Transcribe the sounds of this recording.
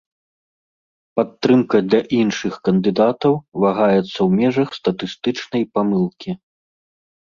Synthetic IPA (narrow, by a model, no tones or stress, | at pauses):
pat̪ːɾɨmkɐd̪lʲɐʔinʂɨxkɐnd̪ɨd̪at̪ɐwvaɣajɛt̪sːɐwmʲɛʐɐxst̪ɐt̪ɨst̪ɨt͡ʂnɐjpamɨlˠkʲʰi